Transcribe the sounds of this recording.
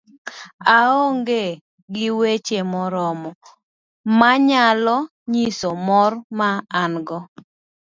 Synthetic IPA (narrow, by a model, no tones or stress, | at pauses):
aoŋɡe | ɡɪwet͡ʃemɔɾɔmɔ | maɲalɔ | ɲisomɔrmaːnɡɔ